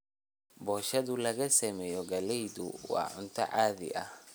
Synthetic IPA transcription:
bɔːʃɐðʊlɐɣɐsɐmɛjɔɡɐlɛjd̪ʊ̰wɑ̰ːʕʊnt̪ʰɐ̰ʕaːðɪ̰ʔɐh

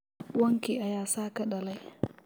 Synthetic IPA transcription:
wɐŋkiʔajaːsaːkaɗɐlaj

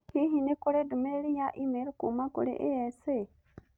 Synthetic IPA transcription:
kiɦinikuɾedumelijaʔimelkumakṵɾḛʔeese

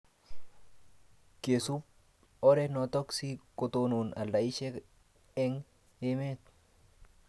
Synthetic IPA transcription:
kesup̚ | ɔɾɛnɔt̪ɔksikʼɔt̪onuna̰lːaiʃɛ | ɛŋ | emet̪̚

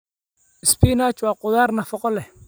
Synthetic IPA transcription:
ɪspiːnaːt͡ʃwaːqʊðaːrnɐfɔqʼɔlɛ

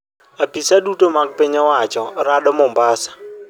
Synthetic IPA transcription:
apisadutomaɡ̚peɲɔwat͡ʃɔɾaɗɔmɔmbasḁ

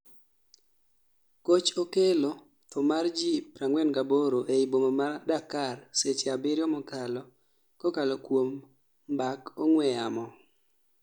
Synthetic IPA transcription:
kot͡ʃokelo | t̪ʰɔmard͡ʒipɾaŋwɛnɡaboɾoʔeibomomadakarset͡ʃeabɪɾjɔmɔkalɔ | kɔkalɔkwom | bakɔŋwɛamɔ

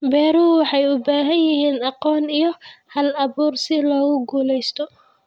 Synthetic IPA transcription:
bɛːɾuwɑħɑjʊbaːɦɐnjɪɦiːnɑqɔːnijɔhɐlɐβuːrsɪlɔːɣʊɡuːlɛjst̪ʰɔ

